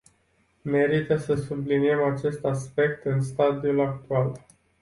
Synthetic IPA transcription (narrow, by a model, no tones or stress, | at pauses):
me̞ɾit̪əsəsublinie̞mat͡ʃe̞st̪aspe̞k̚t̪ɨnst̪ad̪iulak̚t̪ual